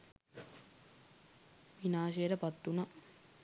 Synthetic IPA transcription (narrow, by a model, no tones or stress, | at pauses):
ʋinaːʃeːɾɐpɐt̪ːunɐ